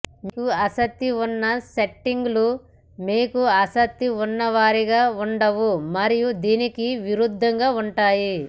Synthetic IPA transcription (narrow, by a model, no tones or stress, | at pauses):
mikuɐsɐt̪ːiunːɐseʈːiŋɡlu | meːkuɐsɐt̪ːiunːɐʋaːɾiɡaːuɳɖɐʋumɐɾijud̪iːnikiʋiɾud̪ʱːɐŋɡaːuɳʈaːji